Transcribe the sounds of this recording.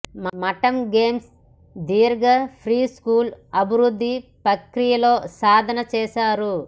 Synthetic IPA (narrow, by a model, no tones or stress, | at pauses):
mmɐʈɐmɡeːms | d̪iːɾɐɡɐpʰɾiːskuːlɐbʱiɾud̪ʱːipɐkɾijɐlo̞ːsaːd̪ʱɐnɐt͡ʃɛːsaːɾu